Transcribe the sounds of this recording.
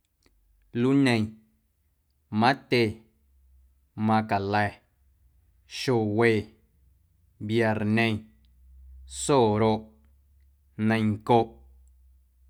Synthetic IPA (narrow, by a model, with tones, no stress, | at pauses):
lu˦nẽ˧j̃ | mã˦t̪ʲe˧ | mã˧ka˨lɛ˧˨ | ʃo˧˨weː˧˨ | bja˧˨ɾnẽ˧j̃ | soː˦˨ɾo˧ʔ | nə̃˧j̃ŋko˧ʔ